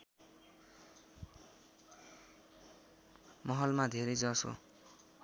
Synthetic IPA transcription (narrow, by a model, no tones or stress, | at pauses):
mʌɦʌlmad̪ʱeɾejd͡zʌso̰